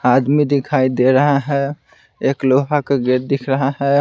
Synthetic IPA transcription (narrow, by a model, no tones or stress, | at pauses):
ad̪mid̪ikʰaid̪eɾəɦaɦɛ | ekloɦakeɡeɾd̪ikʰɾəɦaɦɛ